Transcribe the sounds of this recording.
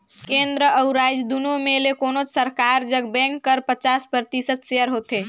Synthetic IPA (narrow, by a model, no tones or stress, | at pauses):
kend̪ɾəəʊɾajd͡ʒd̪unomelekonot͡ʃsəɾkaɾd͡ʒəɡbɛ̃ŋkːəɾpət͡ʃaspɾəɾt̪isət̪seəɾɦot̪e